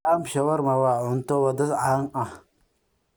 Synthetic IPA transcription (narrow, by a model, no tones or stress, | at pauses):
amʃawaɾmawaʊntowadasaŋa